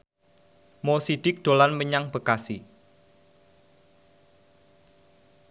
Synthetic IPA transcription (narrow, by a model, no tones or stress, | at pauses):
mosid̥ɪk̚d̪̥o̤lanməɲaŋb̥ə̤kasi